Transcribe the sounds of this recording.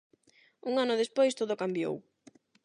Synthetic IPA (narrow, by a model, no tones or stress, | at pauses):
uŋanʊðespojst̪oðʊkambjo̰w